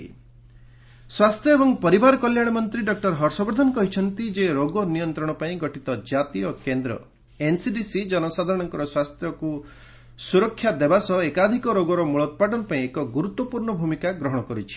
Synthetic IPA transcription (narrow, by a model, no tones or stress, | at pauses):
swast̪ʰjɔebɔŋpɔɾibaɾɔkɔljaɽ̃ɔmɔnt̪ɾiɖɔk̚ʈɔɾɦɔɾsɔbɾd̪ʱɔnɔkɔɦit͡ʃʰɔnt̪id͡ʒeɾoɡɔnijɔnt̪ɾɔɽ̃ɔpaĩɡɔʈit̪ɔd͡ʒat̪ijɔkend̪ɾɔ̰ | ensiɖisid͡ʒɔnɔsad̪ʱaɾɔɽ̃ɔŋkɔɾɔswast̪ʰjɔku | suɾɔkʰːjad̪ebasɔekad̪ʱikɔɾoɡɔɾɔmuɭɔt̪̚paʈɔnɔpaĩekɔɡuɾut̪wɔpuɾɳɔbʱumikaɡɾɔɦɔɽ̃ɔkɔɾit͡ʃʰi̥